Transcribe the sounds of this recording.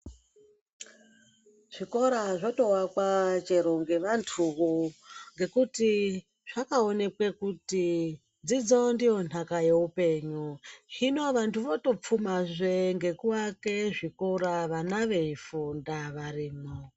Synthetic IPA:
ʐ̥iko̞ɾaʐoto̞wakwat͡ʃeɾoŋɡe̞ʋantʰuʋoŋɡe̞kuti | ʐ̥akaone̞kwe̞kuti | d͡zid͡zondijo̞n̤akaje̞upe̞ɲuɦino̞ʋantʰuʋoto̞p͡fumaʐʷeŋɡe̞kuwake̞ʐikoɾaʋanaʋe̞ifundaʋariːmo

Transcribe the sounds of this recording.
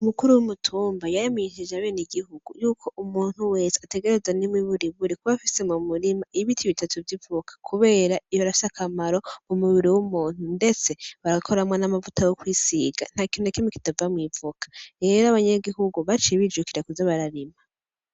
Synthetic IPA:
umukuɾuwumutʰuːmbajajimeiʃid͡ʒaβe̞ːniɡihuɡ̥ṵjuːkʰo̞ʔumuːn̥huwe̞se̥ate̞ɡe̞ɾe̞zwanimwiβuɾiβuɾikuβafise̞mumuɾimaʔiβitʰiβitatuvjivukʰḁkʰuβe̞ːɾaijoaɾafi̥sakʰamaɾo̞umuββiɾiwumuːn̥hunde̞t͡se̞βaɾakʰo̞ɾamwanamavutajokwiːsiɡa̰n̥hakinonekimiki̥tavamwiːvukḁɾe̞ːɾaβaɲaɡihuɡuβat͡ʃeβid͡ʒukiɾakuzaβaɾaɾima

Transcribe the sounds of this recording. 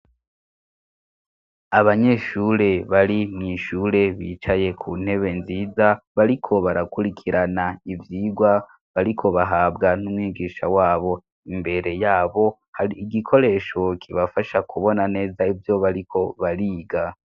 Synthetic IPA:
aβaɲe̞ʃuːɾe̞βaɾimŋiːʃuːɾe̞βiːt͡ʃaje̞kʰun̥he̞βe̞nziːzaβaɾikʰo̞βaɾakuɾikʰiɾanaivjiːɡwa | βaɾikʰo̞βaɦaːbɡanumwiːɡiːʃawaːβo̞ | imbe̞ɾe̞jaːβo̞ | haɾiːɡikʰo̞ɾe̞ːʃo̞kʰiβafaʃakuβo̞nane̞ːzaivjo̞βaɾikʰo̞βaɾiːɡa

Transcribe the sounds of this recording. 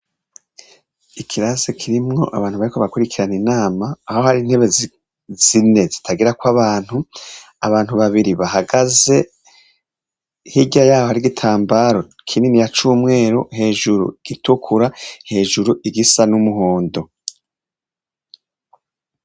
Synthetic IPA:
ikʰiɾazikʰiɾimŋo̞̰ʔaβaːnhuβaɾikoβakuɾikiɾaninaːmaːho̞haɾin̥he̞βe | z̥ine̞zitʰaɡiɾakwaβaːn̥hu | aβaːnhuβaβiɾiβaɦaɡaze̞ | hiɟajaːhohaɾiɡitʰaːmbaːɾo̞ | kʰiːndinijat͡ʃuːmŋe̞ːɾohe̞ːʒuɾṵiɡ̥itukʰuɾahe̞ːʒuɾuiɡisanumuɦo̞ːndo

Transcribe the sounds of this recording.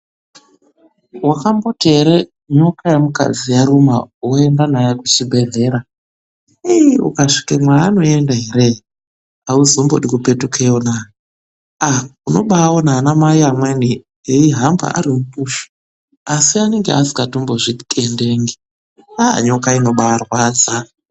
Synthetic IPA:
wakambo̞tʰe̞ɾe | ɲo̞kajemuka̰d͡zijaɾumawoendanajakut͡ʃibʱe̞ɮe̞ːɾa | iṵkaʂi̥kamwajaːno̞endaɦeɾe | auzombo̰ɗikupetukʰejonaːja | auno̞ɓawonaːnamajiamweni | iiɦamba̰a̰ɾimupuʃi̥ | asiane̞ŋɡḛasi̥katumboʐikʰʼende̞ːŋɡi | a̰ɲo̞kaino̞ɓaarwaːd͡za

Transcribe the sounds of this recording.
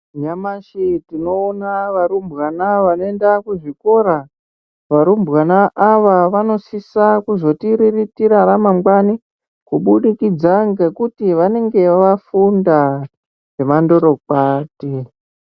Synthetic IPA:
ɲamaʃitino̞ːnaʋaɾumbwanaʋano̞endakuʐiko̞ɾa | ʋaɾumbɣanaʔːʋaʋano̞sisakuzo̞tiɾiritiɾaɾamamɡwani | kuɓuɗikid͡zaŋɡe̞kutiʋane̞ŋɡe̞ʋafunda | ʐemando̞ɾo̞kaːte

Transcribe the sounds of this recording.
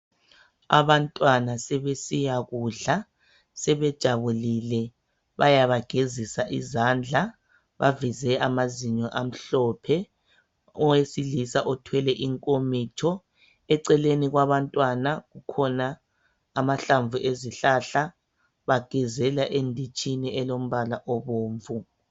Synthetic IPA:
a̰βantʼwanasɛβesijaɣuːɮa | sɛβɛd̥ʒ̥ʱaβulilɛ | βajaβaɡ̥ʱezisaʔizand͡ɮʱa | βa̰vizɛamaziɲɔʔam̩ɬɔpʰɛ | ɔwesilisaʔɔtʰwɛlɛʔiŋkʼomitʰɔ | ɛǀɛleniɣwaβantʼwanaɣukʰɔnaː | maɬaɱvuʔeziɬaɬa | βaɡ̥ʱɛzɛlaʔendʱit͡ʃʼiniɛlom̩βalaʔɔβoːɱvu

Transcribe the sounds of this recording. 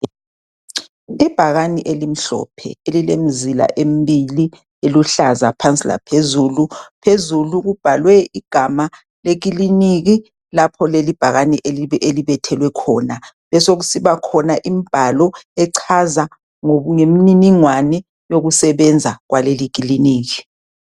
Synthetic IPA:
ib̥ʱaɣaniʔelim̩ɬɔ̰pʰɛ̰elilem̩zila̰ʔem̩bili | eluɬazapʰant͡sʼila̰pʰezulupʰezuluɣub̥ʱalwɛiɡ̥ʱama | leɣ̬iliniɣi | lapʰɔlelib̥ʱaɣaniʔeliɛʔeliβɛtʰɛlwɛkʰɔːna | lɛsoɣusiβakʰɔnaʔimib̥ʱalɔɛǀʰaza | ŋoβuŋemininiŋwanɛ | joɣusɛβɛnd͡zʱaɣwalelik̬iliniːɣi

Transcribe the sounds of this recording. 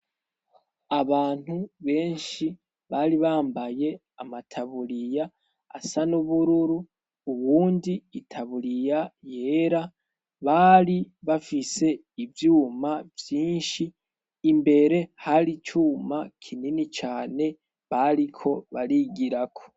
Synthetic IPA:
aβaːn̥huβe̞ːnʃi | βaɾiβaːmbaje̞ | amatʰaβuɾija̰ː | sanuβuɾuɾuː | wuːndiːtʰaβuɾijaje̞ːɾa | βaɾiβafise̞ | ivjuːmavjiːnʃiː | mbe̞ɾe̞haɾit͡ʃuːmakʰininit͡ʃaːne̞ | βaɾikʰo̞βaɾiɡiɾakʰo̞̥

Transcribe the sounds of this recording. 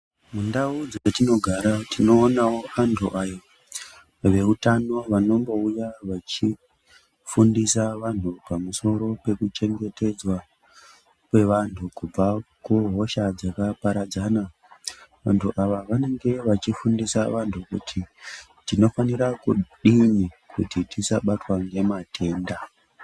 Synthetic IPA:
mundaud͡zeatino̞ɡʱaɾatino̞ːnawo̞antʰuʔajo | ʋe̞utano̞ʋano̞mbo̞ujaʋat͡ʃi | fundisaʋantʰupamuso̞ɾo̞pe̞kut͡ʃe̞ŋɡe̞te̞d͡zwa | kwe̞ʋantʰukub͡vakuɦo̞ʃad͡zakapaɾad͡zana | ʋa̰ntʰuʔaʋaʋane̞ŋɡe̞ʋat͡ʃifundisaʋantʰukṵtʰi | tino̞faniɾakuɗiɲi | kutitisa̰ɓatwaŋɡe̞matʰe̞ːnda

